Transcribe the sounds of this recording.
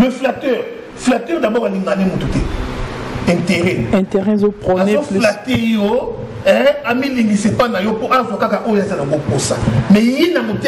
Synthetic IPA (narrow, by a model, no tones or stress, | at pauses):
jeflatyʁ | flatyʁnabokaliŋɡalimototɛ | ɛ̃nteʁɛɛ̃teʁɛzopʁɔazolatijo | ɛamiliŋɡisepanajopoʔazwakakaʔojoazalŋɡoposa̰mɛjinamote